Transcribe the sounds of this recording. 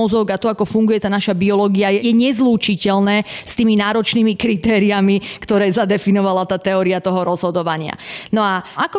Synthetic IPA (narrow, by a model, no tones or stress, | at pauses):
ɔzɔɡat̪ɔakɔfuŋɡujɛt̪aːnaʃabiɔlɔɡiajɛjɛɲɛzluːt͡ʃicɛlnɛːst̪iːminaːɾɔt͡ʃniːmikɾit̪ɛːɾiamikt̪ɔɾɛːzad̪ɛfinɔʋalat̪aːt̪ɛɔːɾiat̪ɔɦɔɾɔzɦɔd̪ɔʋaɲɪa̰nɔaʔakɔ